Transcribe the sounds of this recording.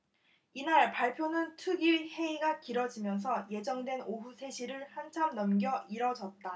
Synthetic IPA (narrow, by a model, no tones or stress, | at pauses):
inaɭpaɭpʰjonɯntʰɯɡiɭhe̞iɡakiɾʌd͡ʑimjʌns̬ʰʌje̞d͡ʑʌŋdwe̞noɸusʰe̞ɕʰiɾɯɭhant͡ɕʰamnʌmɡjʌʔiɾʌd͡ʑʌt̚t͈a